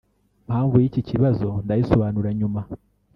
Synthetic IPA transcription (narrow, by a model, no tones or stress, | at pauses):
m̥haːɱvujiciciβazo̞ndajiso̞βaːnuɾaɲuma